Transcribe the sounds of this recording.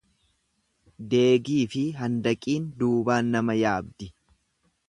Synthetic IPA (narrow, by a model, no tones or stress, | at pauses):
d̪e̞ːɡiːfɪɦɐnd̪ɐkʼiːnd̪uːbaːnːɐmɐjaːbd̪ɪ